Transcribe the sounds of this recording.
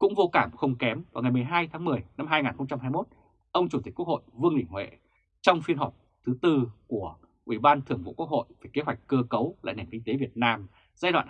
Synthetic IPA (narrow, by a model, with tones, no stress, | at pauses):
kʊ̰˧˥ŋ͡mvo˧kaː˧˩mxə˧wŋ͡mkɛ˨˦mvaː˨˩wŋa˨˩jmɨ˨˩əjɦaː˧jt̪ʰaː˨˦ŋmɨ˨˩əjna˧mɦaː˧jŋaː˨˩nxə˧wŋ͡mt͡ɕa˧mhɦaː˧jmo˦˥t̚ | ʔə˧wŋ͡mt͡ɕu˧˩t̪i̟˨˩ku˦˥kʰho̰˧˨jvɨ˧əŋɗï˧˩ŋ̟hwḛ˧˨ | t͡ɕɔ˧wŋ͡mfi˧ənɦɔ˨˩p̚ | t̪ʰɨ˨˦t̪ɨ˧ku˧˩ə | ʔi˧˩ɓaː˧nt̪ʰɨ˧˩əŋvṵ˧˨ku˦˥ək̚ho̰˧˨jve˨˩ke˨˦ɦwa˨˩jk̟̚kəː˧kə˨˦wla̰ː˧˨jna˨˩nŋki˧ŋ̟t̪e˨˦vi˨˩ət̚naː˧m | zaː˧jɗwa̰ː˧˨